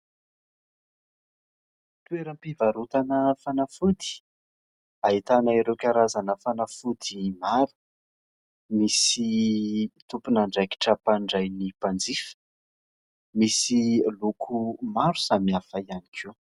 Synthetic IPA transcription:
t̪ueɾəmpivaɾut̪anəfanafud̪i̥ | aɦit̪anaeɾewkaɾazanəfanafud̪imaɾu̥ | misi | t̪upunaɳɖ͡ʐaki̥ʈ͡ʂəpaɳɖ͡ʐajnipand͡zifə̥ | misilukʰumaɾu̥samiafajanikʰu

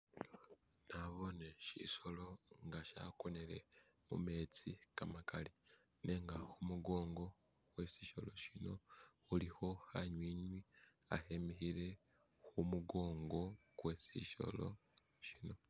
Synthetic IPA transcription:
naβo̞neʃḭʃo̞lo̞ŋɡaʃa̰koneɾe̞̰ | mṵme̞t͡sikamakali | neŋɡaxumuɡo̞ːŋɡo̞ | we̞siːʃo̞lo̞ʃino̞ | uliho̞haɲwiɲwi | ahemihiɾe̞ | xumuɡo̞ːŋɡo̞ɡwesḭʃo̞̰lo̞̰ | ʃino̞

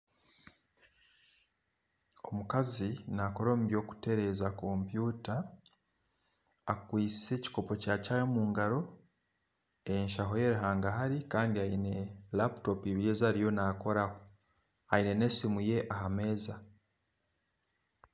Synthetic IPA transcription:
o̞mukazinako̞ɾo̞ːmuβjo̞ːku̥te̞ɾe̞zako̞mpjuːta | kwiːt͡se̞ci̥ko̞po̞caːcajomuːŋɡaɾo̞ | e̞nʃaɦo̞je̞ɾuɦaːŋɡaɦaɾikaːndiaine̞lapto̞piβiɾezaɾijo̞nako̞ɾaho̞ | aine̞ne̞simuje̞ʔaɦame̞ːza

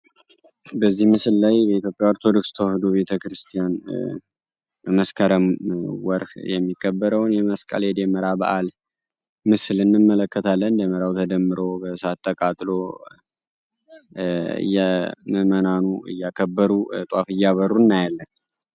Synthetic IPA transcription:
bəzːihmɨsɨlːajbɛit̪jo̞pʼjawoɾt̪ʰo̞d̪o̞kst̪ʰəwhd̪oβe̞t̪ʰəkɾɨst̪ʰijan | bəməskʰəɾəmwɔɾhjɛmːikːəbːəɾəwnjɛməskʼə̰ljɛd̪eməɾabə̰ʔal | mɨslɨnːɨmːələkːət̪ʰalːənd̪əməɾawt̪ʰəd̪əmːɨɾo̞bəsat̪ʼːəkʼat̪ʼlo̞ | ɨ̰jːɛməmənanuɨ̰jːakʰəbːəɾut̪ʼwafɨjːaβərunːajalːən

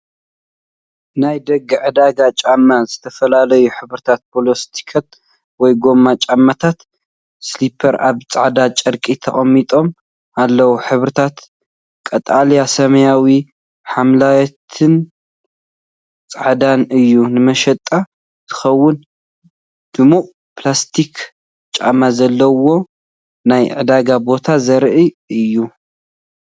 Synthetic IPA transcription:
najd̪ɐɡːɨʕɨd̪aɡat͡ʃʼamːazɨt̪ʰɐfɐlalɐjuħɨβɾɨt̪ʰat̪̚pʰolost̪ʰi̥kʰɐt̪̚ | wɔjɡo̞mːat͡ʃʼamːat̪ʰat̪ | slipʰɐɾaβt͡sʼaʕd̪at͡ʃʼɐɾkʼit̪ʰɐχʼɐmːit̪ʼo̞m | alːɐwuħɨβɾɨt̪ʰat̪ | kʼɐt̪ʼaljasɐmɐjawi | ħamlawt̪ʰɨn | t͡sʼaʕd̪anɨjːunɨmɐʃɐt̪ʼːa | t̪ʰɨ̥xɐwːʊn | d̪̥ɨmuʔʼ | plast̪ʰik | t͡ʃʼa̰mazɐlːɐwo̞ | najʕɨd̪aɡabo̞t̪ʰazɐɾʔiʔɨjːu

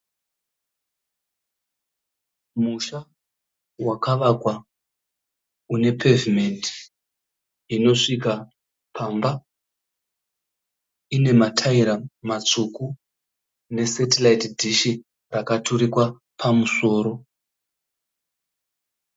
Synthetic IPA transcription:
muʃa | wakaʋakwa | une̞pʰe̞vime̞ndi | ino̞ʂika | pʰamba | ine̞matʰaiɾamat͡suku | ne̞setelaitdʱiʃi | rakatʰuɾikwa | pʰamuso̞ːɾo̞

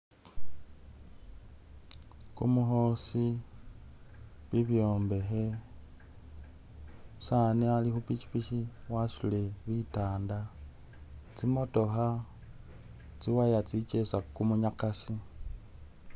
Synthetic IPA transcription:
kṵmuxo̞si | βiβjoːmbe̞xe̞ | sanialixupit͡ʃi̥piʃiwaʃuleβitaːnda | t͡simo̞to̞xa | t͡siwajat͡sit͡ʃesakumuɲakasi

